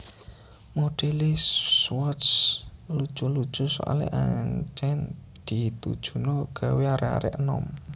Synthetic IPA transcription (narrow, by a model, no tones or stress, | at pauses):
moɖ̥ɛlesswɔtslud̥ʒ̥ulud̥ʒ̥ṳsɔ̰ʔa̰lḛʔaɲt͡ʃɛn | d̪̥i̤t̪ṵd̥ʒ̥ṳnɔɡ̥a̤weaɾɛa̰ɾɛ̰ʔənɔ̰m